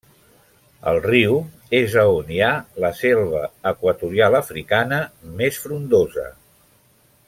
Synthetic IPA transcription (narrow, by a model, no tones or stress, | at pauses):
ə̰lˠriw | ezəonialəsɛlˠβəəkwət̪uɾialˠəfɾikanəmesfɾund̪ozə̰